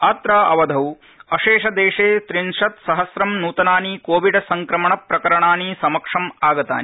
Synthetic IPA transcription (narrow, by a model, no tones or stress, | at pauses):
aːt̪ɾaːʔɐʋɐd̪ʱɐw | ɐʃeːʂɐd̪eːʂeːt̪ɾinʂɐt̪sɐɦɐsɾɐmnuːt̪ɐnaːnikoːʋiɖɐsɐŋkɾɐmɐɳɐpɾɐkɐɾɐɳaːnisɐmɐkʂɐmaːɡɐt̪a̰ːni